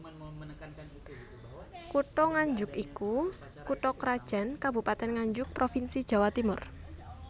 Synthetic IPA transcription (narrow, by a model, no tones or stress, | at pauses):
kuʈɔŋaɲd͡ʒʊkiku | kuʈɔkɾad̥ʒ̥a̤nkabupat̪ɛnŋaɲd͡ʒʊk̚pɾofinsid̥ʒ̥a̤wat̪imʊr